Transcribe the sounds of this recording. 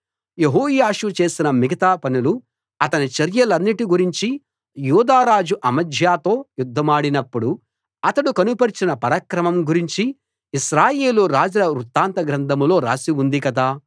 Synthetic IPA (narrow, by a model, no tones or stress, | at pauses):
je̞ɦoːjaːʂut͡ʃe̞ːsinɐmiɡɐt̪aːpɐnulu | ɐt̪ɐnit͡ʃɐɾjɐlɐnːiʈiɡuɾiɲt͡ʃi | juːd̪aːɾaːd͡ʒuʔɐmɐd̪ʱjaːt̪o̞ːjud̪ʱːɐmaːɽinɐpːuɽu | ɐt̪ɐɽukɐnupɐɾt͡ʃinɐpɐɾɐkɾɐmɐmɡuɾiɲt͡ʃi | iʃɾaːje̞ːluɾaːd͡ʒɾɐɾut̪ːaːnt̪ɐɡɾɐnd̪ɐmlo̞ːɾa̰ːsiund̪ikɐd̪aː